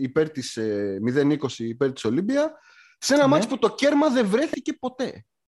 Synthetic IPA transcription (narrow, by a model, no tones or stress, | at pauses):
ipe̞ɾt̪ismiðe̞niko̞siːpe̞ɾt̪iso̞libiɐ | se̞nɐmɐt͡si̥put̪o̞ce̞ɾmɐðe̞vɾe̞θice̞po̞t̪e̞